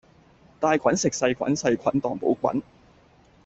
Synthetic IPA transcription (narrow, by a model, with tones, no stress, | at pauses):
t̪aː˧jkʷʰɐ˨˥nsɪ˨k̚sɐ˧jkʰʷɐ̰˨˥nsɐ˧jkʷʰɐ˨˥nt̪ɔː˨˩ŋpo̰˨˥wkʷɐ̰˨˥n